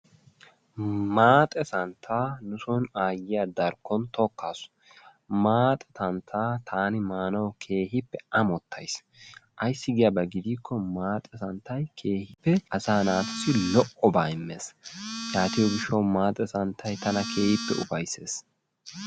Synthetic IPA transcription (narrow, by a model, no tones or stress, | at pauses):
maːt̪ʼɛsɐnt̪ʰːaːnʊsɔnaːjɪjad̪ɐɾkːɔnt̪ɔkːa̰ːsʊ̥ | maːt̪ʼɛt̪ɐnt̪ʰaːt̪ʰaːnɪmaːnɐwkʰe̞ːɦɪpːɛʔɐmɔt̪ʰːɐjs | ʔɐjsːɪɡɪjɐbɐɡɪd̪iːkːɔmaːt̪ʼɛsɐnt̪ʰːɐjkʰe̞ːhɪpːɛʔɐsaːnaːt̪ʊsɪlɔʔɔbaːɪmːḛːsjaːt̪ɪjɔɡɪʃːɐwmaːt̪ʼɛsɐnt̪ʰːɐjt̪ɐnɐkʰe̞ːhɪpːɛ̰ʊ̰bɐjse̞̰ːs